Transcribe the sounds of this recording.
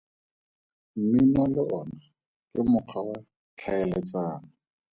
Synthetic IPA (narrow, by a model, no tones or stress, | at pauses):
m̩mimɔlɪɔna | kʼɪmʊq͡χʰawa | t͡ɬʰaɛlɛt͡sʼaːna